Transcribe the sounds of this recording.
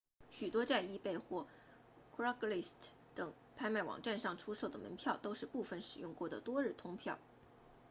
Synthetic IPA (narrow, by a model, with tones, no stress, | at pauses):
ɕy˨˩t̪wɔ˥t͡ɕa˥˧ɪi˥˧pe˥˧ɪxwɔ˥˩ | kʰɹɑ˥kli˥˩stʰ | t̪ɤ˨˩˦ŋ | pʰa˥ɪma˥˩ɪwɑ̰˨˩ŋʈ͡ʂa˥˧nʂɑ˥˩ŋʈ͡ʂʰu˥ʂo˥˩ʊd̪ə˩mə̰˧˥npʰjɑ˥˩ʊt̪o˥ʊʂɻ̩˥˧pu˥˩fə˨˩nʂɻ̩˨˩jʊ˥˧ŋkwɔ˥˩d̪ə̰˩t̪wɔ˥ɻ̩˥˩t̪ʰʊ˥ŋpʰjɑ˥˩ʊ